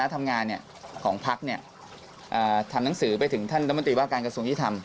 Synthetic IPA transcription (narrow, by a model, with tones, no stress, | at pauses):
na˦˥t̪ʰa˧mŋaː˧nːi˥˩ɐ | kʰɔː˩˦ŋpʰa˦˥k̚ni˥˩ɐ | ʔɤː˨˩t̪ʰa˧mna˩˦ŋsɯː˩˦pa˧jt̪ʰɯ˨˩˦ŋt̪ʰa˥˩nɾa˥mo˧nt̪ɾiː˧waː˥˩kaː˧nkɾa˧su˧əŋi˦˥˩t̪ʰa˧m